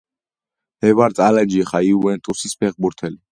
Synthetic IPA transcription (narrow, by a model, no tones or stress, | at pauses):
ɛvaɾt̪ʼalad͡ʒiɛχaiuɛnt̪ʼusispʰɛʁbuɾt̪ʰɛli